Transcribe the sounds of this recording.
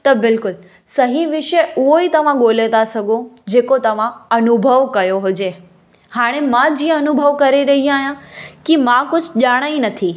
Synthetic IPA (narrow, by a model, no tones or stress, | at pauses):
t̪ɐbɪlkʊl | sɐɦiʋɪʃəʊɦoit̪ɐʋãɠoːlet̪asɐɡõd͡ʑeːkot̪ɐʋãɐnʊbʱəʋkɐjoɦʊd͡ʑeː | haːɽ̃emãd͡ʑĩːãɐnʊbʱəʋkɐɾeɾɐɦĩaːɦijãkimãkʊd͡ʑʱʄaːɽ̃aĩnɐt̪ʰi